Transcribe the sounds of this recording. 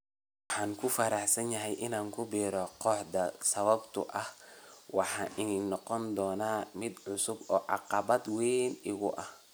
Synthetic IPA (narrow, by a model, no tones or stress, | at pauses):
wɑħɑːŋkʰʊfɐɾɑħsɐnjɐɦɛjʔɪnaːŋkʰʊbiːɾɔqɔːħd̪ɐsɐβɐbt̪ʰʊ̰ʔɐhwɑħɑːʔɪnːnɔqɔnd̪ɔːnaːmɪd̪ʕʊsʊbɔːʕɑ̰qɑβɐd̪wɛːnɪɣʊ̰ʔɐh